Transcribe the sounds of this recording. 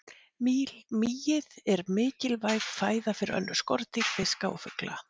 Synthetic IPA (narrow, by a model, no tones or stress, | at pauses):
milmijɪðɛɾmɪːcɪlvajɣfaːjðafɪɾɪɾœ̰nːʏ̥skɔɾt̪ɪfɪskaɔ̰fʏkla̰